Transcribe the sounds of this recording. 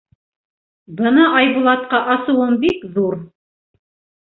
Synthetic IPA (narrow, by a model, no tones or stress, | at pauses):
bɤnɑʔɑjβulˠɑt̪̚qɑʔɑsɤ̆wɤmbikðuɾ